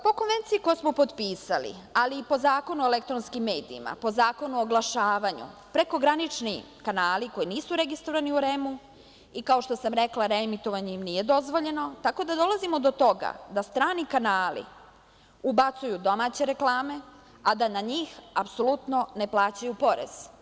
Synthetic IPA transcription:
po̞ko̞nʋe̞nt̪sijiko̞josmo̞po̞d̪piːsalḭaliːpo̞zaːko̞nuelek̚t̪ɾonskimːe̞ːd̪iːma̰po̞zaːko̞nuoɡlˠaʃaːʋaɲṵpɾe̞ko̞ɡɾanit͡ʃni | kanaːliko̞jiniːsuɾe̞ɡist̪ɾoʋaniuɾe̞mu | ikaoʃt̪o̞samɾe̞klˠaɾemit̪o̞ʋaɲeimnije̞d̪o̞zʋo̞ʎe̞no̞t̪ako̞d̪ad̪o̞lazimo̞d̪o̞t̪o̞ɡa̰d̪ast̪ɾaːnikanaːlḭ | ubat̪sujud̪o̞maːt͡ɕe̞ɾe̞klˠaːme̞ | ad̪anaɲiːxapso̞lˠut̪no̞ne̞plˠaːt͡ɕajupo̞ɾḛz̥

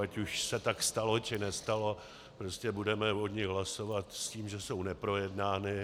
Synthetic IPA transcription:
acuʃsɛt̪akst̪alo̞t͡ʃɪnɛst̪alo̞ | pɾoscɛbudɛmɛvo̞d̪ɲɪɦlaso̞vat̪sciːmʒɛso̞wnɛpɾo̞jɛdnaːnɪ

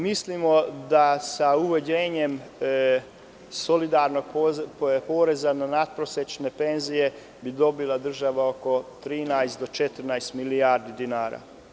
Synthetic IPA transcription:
mislimo̞d̪asauʋed͡ʑeːɲe̞m | so̞lid̪aɾnoɡ̚popoːɾe̞zananat̪̚pɾoset͡ʃne̞pe̞nzije̞ | bid̪o̞bilˠad̪r̩ʒaʋao̞ko̞t̪ɾiːnajst̪d̪o̞t͡ʃet̪r̩najst̪miliaɾd̪id̪inaːɾa̰

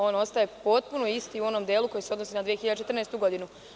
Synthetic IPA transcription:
o̞ːno̞st̪aje̞po̞t̪̚punoist̪iuo̞nomd̪eːlˠuko̞jiseod̪nosinad̪ʋijexiʎad̪et͡ʃet̪r̩neːst̪uɡo̞d̪inu

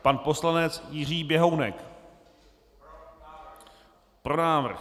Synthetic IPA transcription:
panpo̞slanɛt͡sjɪr̝iːbjɛɦownɛ̰k | pɾonaːvr̩x

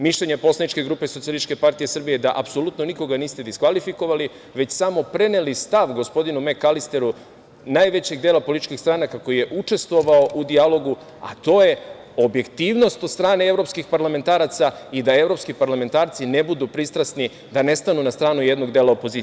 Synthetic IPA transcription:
miʃʎe̞ɲe̞po̞slˠanit͡ʃke̞ɡɾuːpe̞sot̪ialiit͡ʃke̞paɾt̪ije̞sr̩bijed̪aʔapso̞lut̪no̞niko̞ɡaniːst̪e̞d̪iskʋalifiko̞ʋali | ʋe̞t͡ɕsamo̞pɾe̞nelist̪aʋɡo̞spo̞d̪inume̞kalist̪e̞ɾu | naːjʋe̞t͡ɕe̞ɡd̪eːlapolit̪it͡ʃkixst̪ɾaːnakako̞jije̞ʔut͡ʃe̞st̪ʋo̞ʋao̞ʔud̪ialˠo̞ɡu | a̰t̪o̞ːje̞ | o̞bje̞kt̪iːʋno̞st̪o̞d̪st̪ɾaːnee̞vɾo̞pskixpaɾlame̞nt̪aːɾat̪said̪ae̞ʋɾo̞pskipaɾlament̪aːɾt̪sine̞bud̪upɾist̪ɾasni | d̪ane̞st̪anunast̪ɾaːnuje̞d̪no̞ɡd̪e̞ːlˠaopo̞zi

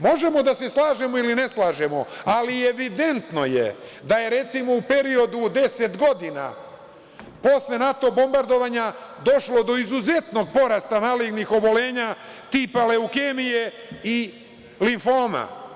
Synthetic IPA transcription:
mo̞ʒe̞mo̞d̪ase̞slaːʒe̞moiline̞slˠaːʒe̞mo̞alieʋid̪e̞nt̪no̞jḛd̪aje̞ɾe̞t̪simo̞upe̞ɾio̞d̪ud̪e̞se̞t̪ɡo̞d̪ina̰ | po̞sle̞nat̪o̞bo̞mbaɾd̪o̞ʋaːɲad̪o̞ʃlo̞d̪o̞izuze̞t̪no̞ɡ̚po̞ɾast̪amaliɡnixo̞bo̞le̞ːɲat̪ipale̞ukemije̞ | i | liɱfoːma̰

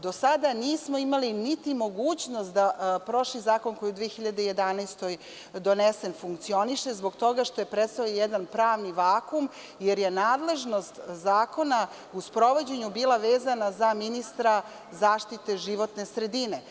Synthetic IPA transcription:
d̪o̞sad̪aniːsmo̞imalinit̪imo̞ɡuːt͡ɕno̞st̪̚d̪apɾo̞ʃizaːko̞nko̞jiud̪ʋiexiʎad̪eje̞d̪anajst̪o̞j | d̪o̞nese̞nfuŋk̚t̪sio̞niʃe̞zbo̞ɡt̪o̞ɡaʃt̪o̞je̞pɾet̪st̪aojed̪anpɾaːʋniʋaːkum | jeɾje̞naːd̪le̞ʒno̞st̪zaːko̞na | uspɾo̞ʋo̞d͡ʑe̞ɲubiːlˠaʋeːzanazaminist̪ɾa | zaːʃt̪it̪e̞ʒiʋo̞t̪ne̞sɾed̪ine

